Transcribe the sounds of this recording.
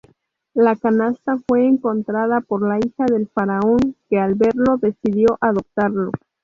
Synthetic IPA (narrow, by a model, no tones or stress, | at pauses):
lakanast̪afwe̞ːŋko̞nt̪ɾað̞apo̞ɾlaixaðe̞lfaɾao̞ŋke̞alβe̞ɾlo̞ðe̞siðjo̞ʔaðo̞p̚t̪aɾlo̞